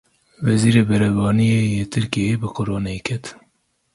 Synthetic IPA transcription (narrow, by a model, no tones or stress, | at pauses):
vɛziːɾeːbɛɾɛvɑːnijejeːt̪ʰɨɾkijejebɨqoɾoːnekʰɛt̪